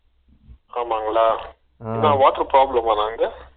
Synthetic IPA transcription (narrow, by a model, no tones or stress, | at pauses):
aːmaːŋɡɐɭaː | nãːʋaːʈəɾpɾaːblɐmanaːŋɡɐ